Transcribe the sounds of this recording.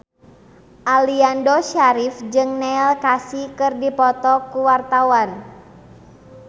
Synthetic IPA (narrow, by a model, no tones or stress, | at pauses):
ʔaliandɔʃaɾifd͡ʒɨŋnɛlkasikɨrdipɔt̪ɔkuwart̪awan